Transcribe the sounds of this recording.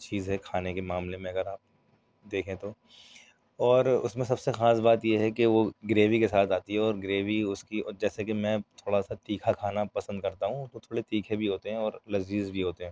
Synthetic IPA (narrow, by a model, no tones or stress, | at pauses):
t͡ʃiːzɦɛkʰaːnekemaːmlemẽɐɡəɾaːp̚ | d̪eːkʰẽt̪o | ɔːɾʊ̰smẽsɐbsexaːs̬baːt̪jeɦɛkeʋoɡɾeːʋikesaːt̪ʰaːt̪iɦɛɔːɾɡɾeːʋiʊskiɔːɾd͡ʒɛːsekemɛ̃ːt̪ʰoːɽasat̪iːkʰakʰaːnapɐsə̃nd̪̚kɐɾt̪aɦũt̪ot̪ʰoːɽet̪iːkʰebʱiɦoːt̪eɦɛ̃ɔːɾlɐziːzbʱiɦoːt̪eɦɛ̃ː